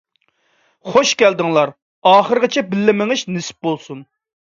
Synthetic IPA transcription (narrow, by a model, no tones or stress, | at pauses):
χoʃkʲæld̪ɪŋlˠɑɾ | ɑːχəɾɨʁɪt͡ʃʰɛbɪlːɪmɪŋɨʃnɪsɪ̥p̚bolˠsun